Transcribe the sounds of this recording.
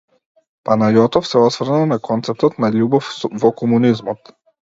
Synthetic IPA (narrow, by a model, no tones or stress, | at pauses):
panajɔt̪ɔfsɛɔsvr̩nanakʰɔnt̪sɛp̚t̪ɔt̪naʎubɔfvɔkɔmunizmɔt̪